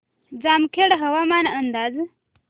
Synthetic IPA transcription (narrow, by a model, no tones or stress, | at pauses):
d͡zaːmkʰeɽɦɐwamanənd̪az